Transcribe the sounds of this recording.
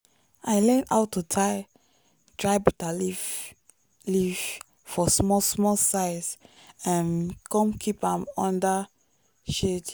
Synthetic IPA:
aɪlɛ̃na̰ʊtʰːutʰaɪ | dɹaɪbutali | liv | fɔsmɔsmɔlsaɪs | ãnkɔ̃mkʰipãmɔ̃nda | ʃet

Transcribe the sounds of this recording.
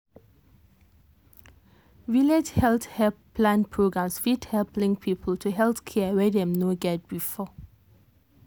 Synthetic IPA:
vilɛd͡ʒhɛlt̪hɛppʰlãnpʰɹoɡɹãmsfidhɛlplɪ̃ŋpʰiːpʰəl̩tʰuɦɛlθkʰɛəwɛdɛ̃mnoɡɛd̚b̥ifɔ

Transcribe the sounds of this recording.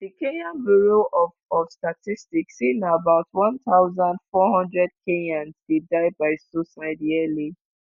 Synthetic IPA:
dikenãnbiɹoʔɔfɔfstatistiksĩnaabaʊtwɔ̃nt̪aʊzãndfɔɦɔ̃ndɹɛd̚kʰenãnzdidaɪbaɪsosaɪdɛli

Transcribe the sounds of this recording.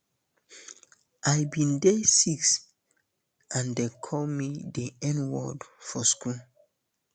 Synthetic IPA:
ʔajbĩndesiks | ãndekʰɔlmideɛ̃nwɔ̰dfɔskul

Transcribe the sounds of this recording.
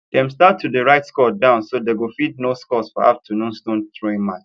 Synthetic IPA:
d̥ɛ̃mstatʰːudəɹaɪtskɔdãʊ̃nsodeɡulfid̚noskɔsfɔ̰a̰ftʰənũnstõntɹoɪ̃mat͡ʃ

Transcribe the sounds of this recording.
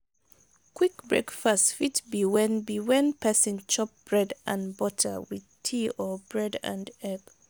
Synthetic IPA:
kʰwikbɹḛkfastfitbiwɛ̃nbiwɛ̃npɛsĩnt͡ʃɔp̚b̥ɹɛdʔã̰nbɔtʰə̰wið̥tʰiɔbɹɛdã̰ndɛb

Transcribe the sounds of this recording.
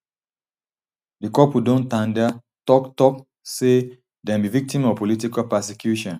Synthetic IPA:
dikɔpudõntãndɛ | tɔktɔk̚ | se | dɛ̃mbivik̚tĩmɔpolit̬ikalpɛsekjuʃɔ̃n

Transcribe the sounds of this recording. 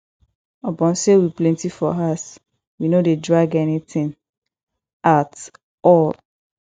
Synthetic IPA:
ɔbɔ̃nsewiplɛ̃ntifɔɦas | winodedɹaɡɛnitĩn | at | ɔl

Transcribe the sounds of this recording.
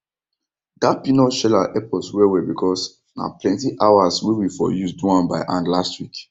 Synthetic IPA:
ɡapinɔʃɛlaʔɛpɔswɛwɛbikʰɔs | na̰plɛ̃ntiʔawaswiwifɔ̰jusduãnbaɪʔãndlastwik

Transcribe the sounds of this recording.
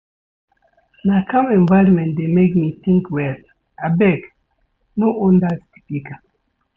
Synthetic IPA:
nakãmɛ̃ɱvaɪɾɔ̃mɛ̃ntdemekmiθĩŋkwɛl | abɛk | noʔõndastipika

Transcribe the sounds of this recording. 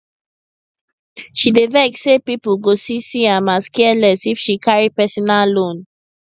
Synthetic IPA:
ʃideveksepipuɡosisiamaskɛlɛsifʃikaɹipɛsɔnalõn

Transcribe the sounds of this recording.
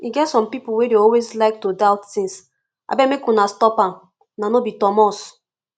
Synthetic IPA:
iɡɛtsɔ̃mpipuwedeɔlwezlaɪk̚todaʊtθĩns | a̰bɛmekunastɔpãm | nanobitɔmɔs

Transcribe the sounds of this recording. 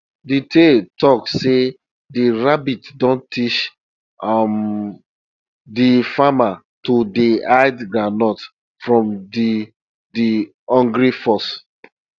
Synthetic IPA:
ditʰetɔkse | diɹabitdɔ̃ntit͡ʃ | am | difama | todiaɪdɡɹanɔt | fɹɔ̃mdi | di | ɔ̃ŋɡɹifɔs

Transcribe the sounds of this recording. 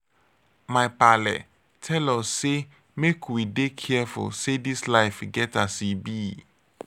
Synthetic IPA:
majpalɛ̰ | tʰɛlɔsse | mekʰwidekʰɛfṵlsedislaɪfɡɛtasibi

